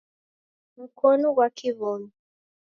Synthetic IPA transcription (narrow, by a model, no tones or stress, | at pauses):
m̩kʰɔnɔɡwakʰiβɔnɔ